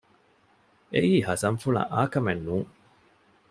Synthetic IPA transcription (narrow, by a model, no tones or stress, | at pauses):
eʔiːhɐsɐnfulɐ̰ʔaːkɐmenːuːŋ